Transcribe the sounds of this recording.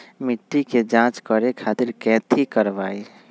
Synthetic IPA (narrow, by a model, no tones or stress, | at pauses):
mɪʈːiked͡ʒãːt͡ʃkəɾekʰaːt̪ɪɾkɛːt̪ʰikəɾʋaːi